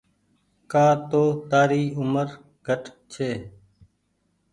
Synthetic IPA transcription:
kaːt̪oːt̪aːɾiːʊməɾ | ɡʱəʈt͡ʃʰeː

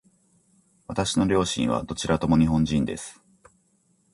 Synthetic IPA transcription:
βat̪aɕino̞ɾʲo̞ːɕḭ̃ɰ̃β̞a̰d̪o̞t͡ɕiɾat̪o̞mo̞ɲ̟iɦõ̞ɲd͡ʑĩnd̪e̞̰sɨ̥

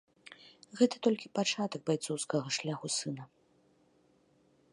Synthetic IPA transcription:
ɣɛt̪ɐ̥t̪ɔlʲkʲipat͡ʂat̪ɐɡ̚bajt̪sɔwskɐɣɐʂlʲaxusɨnɐ

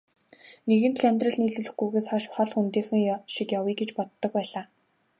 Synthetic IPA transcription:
neɣɘ̆nt̪ɮæmʲt̪rə̆ɮniːɮɘ̆ɮɘ̆xɡujɣeːsχaʃχɔɮxunt̪eːxɘ̆ŋʃikjawiːɡet͡ɕpɔt̪ːɞ̆k̚pæːɮaː

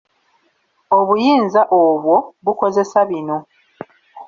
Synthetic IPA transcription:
o̞βujiːnzaʔoβwo̞βuko̞ze̞saβino̞

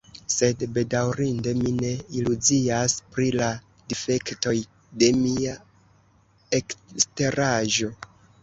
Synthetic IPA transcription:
se̞dbe̞dawɾinde̞mine̞iluziaspɾila | dife̞kto̞j | de̞mia | ekste̞ɾaʒo̞

